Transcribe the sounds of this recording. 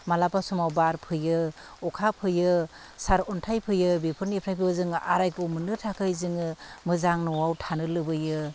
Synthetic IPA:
malapasumawbaɾpʰɯjɯ | ɔkʰapʰɯjɯ | saɾɔntʰajpʰɯjɯbipʰɯɾnipʰɾʰajpʰɯjɯzɯŋʔaɾajkumɯnɯtʰakʰɯjzɯŋɯmɯzaŋnɔwawtʰanɯlɯbɯjɯ

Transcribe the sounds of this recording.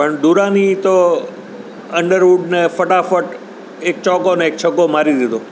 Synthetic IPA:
pəɳd̪uɾãnit̪o | əɳɖəɾʋuɖnefəʈafəʈ | ek̚t͡ʃɔkoneːkt͡ʃʰəɡomaɾid̪id̪o

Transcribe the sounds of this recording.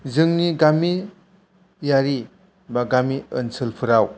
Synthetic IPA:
zɯŋniɡami | jaɾi | baɡamiənsʰɯlpʰɯɾaw

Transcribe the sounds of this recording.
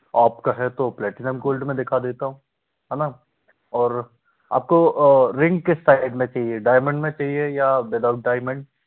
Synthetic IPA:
aːpkaɦɛt̪oplɛːʈɪnəmkoːlɖmẽd̪ɪkʰad̪eːt̪aɦũ | ɦɛːna | ɔːɾ | a̰ːp̚koɾɪ̃ŋɡ̚kesaːɪɖmẽt͡ʃaːɦieɖaːɪmə̃ɳɖmẽt͡ʃaːɦiejaʋɪd̪aʊʈ̚ɖaːɪmə̃ɳɖ

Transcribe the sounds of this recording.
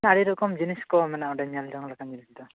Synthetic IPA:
aɽiɾɔkɔmd͡ʒiniskɔmɛnaɔɖɛɲaldɔŋlakamd͡ʒinisd̪ɔ

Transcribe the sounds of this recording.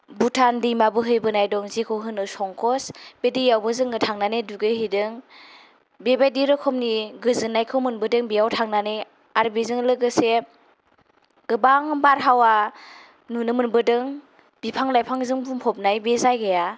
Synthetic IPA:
butʰandimabɯɦɯjbɯnajdɔŋzikʰɯwɦɯnɯsɔŋkʰɔsb̥edijawbɯzɯŋɯtʰaŋnaneduɡɯjɦidɯŋ | bebajdiɾɯkʰɔmniɡɯzɯnːajkʰɯwmɯnbɯdɯŋbijawtʰaŋnanej | aɾbizɯŋlɯɡɯse | ɡ̥ɯbaŋbaɾɦawa | nunɯmɯnbɯdɯŋ | b̥ipʰaŋlajpʰaŋzɯŋbumhʰɔp̚najbezajɡaja

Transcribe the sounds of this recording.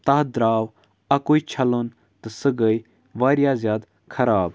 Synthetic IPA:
t̪ɐːɦd̪ɾaːw | ɐkoːit͡ʃʰɐlən | t̪ɨsɨɡəi | ʋaːɾjaːzjaːd̪ | kʰɐɾaːb

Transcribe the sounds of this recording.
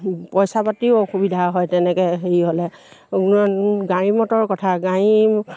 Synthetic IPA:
pɔjsapatiʊxubidʱaɦɔjtɛnɛkɛxeɹiɦolɛ | kunɔɡaɹimɔtɔɹkɔtʰaɡãi

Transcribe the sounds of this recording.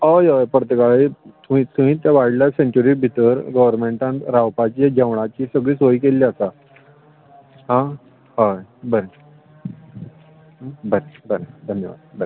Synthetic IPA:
ojojpɾət̪əkaɭit̪uit̪um̤ĩːt̪jaʋajɽlaseɲt͡ɕuɾibʱit̪əɾɡɔʋəɾmeɳʈãnt̪ɾawpat͡ɕiːad͡ʑeʋɳ̃at͡ɕiːsəɡɭiːsʋoikelːiəsa | ɦã | hajbəɾe | bəɾebəɾed̪ʱənjəʋa̰d̪bəɾe

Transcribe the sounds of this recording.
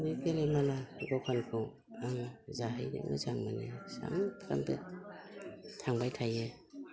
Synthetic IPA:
mikelemalaɡɔkʰankʰɔ | aŋzaɦajdḛmɯ̰zaŋmanesa̰ŋpʰɾa̰mpe | tʰaŋbajtʰaje

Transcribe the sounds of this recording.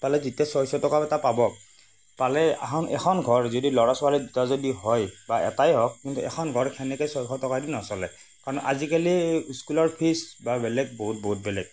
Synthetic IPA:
palɛzitiasɔsɔtɔkapɛtapabɔ | palɛa̰xɔnɛ̰xʰɔnɡʱɔɹzodilɔɹasɔalɛdutazodiɦɔjbaʔɛ̰tajɦɔkːintuɛ̰xʰɔnɡʱɔɹkʰɛnɛkɔjsɔjkʰɔtɔkadinɔsɔlɛ̰ | kaɹɔnʔazikaliuskulɔɹpʰisbabɛlɛɡ̚boɦut̚boɦut̚bɛlɛ̰ɡ̚

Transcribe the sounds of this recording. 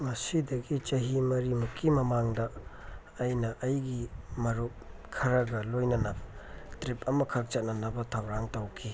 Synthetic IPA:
mɐsidɐɡit͡ʃɐɦimɐɾimukʰːimɐmaŋdɐː | jnɐʔɐjɡimɐɾup̚kʰɐɾɐɡɐlojnɐnɐbɐtɾipʰɐmɐkʰɐk̚t͡ʃɐt̚nɐnɐbɐtʰɐwɾaŋtɐwkʰi

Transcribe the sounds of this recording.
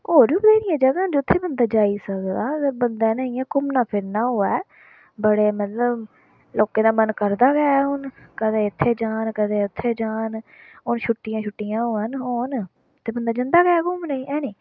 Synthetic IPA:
oːɾĩːbəd̪aːnĩːɛ̃ːd͡ʒaːɡ̪ənd͡ʒʊt̪ʰːeːbənd̪aːd͡ʒaːiːsəkd̪aːbənd̪aːnəːĩːɛːkʊmnãːpʰɪɾnaːɦoːɛː | bəɽeːmət̪ləb | loːkeːd̪aːmənkəɾd̪aːɡɛaːɦʊnkəd̪ẽːɪt̪ʰːeːd͡ʒaːnkəd̪ẽːʊt̪ʰːeːd͡ʒaːn | ɦʊnʃʰʊʈːɪjãːʃʰʊʈːɪjãːɦoːənɦoːn | t̪ːeːbənd̪aːd͡ʒə̃nd̪aːɡɛɛːkʊmnaĩːʔɛːnẽː

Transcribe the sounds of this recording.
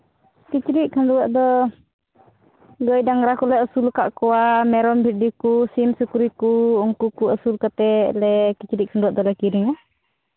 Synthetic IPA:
kit͡ʃɾiʔ̚kʰanduwaʔd̪ɔ | ɡɔjdaŋɾakulɛəsulkaʔkɔwamɛɾɔmbʱidikusimsukuɾikuuŋkukuɔsulkat̪ɛlɛkit͡ʃɾiʔ̚kʰanduwaʔd̪ɔlɛkiɾiŋa

